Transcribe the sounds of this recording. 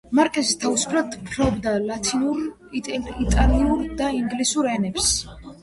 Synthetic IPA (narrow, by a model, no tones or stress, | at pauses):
maɾkʼɛsist̪ʰavusu̥pʰɾat̪pʰɾɔbd̪alat̪ʰinuɾ | it̪ʼaliuɾd̪aiŋɡlisuɾɛnɛps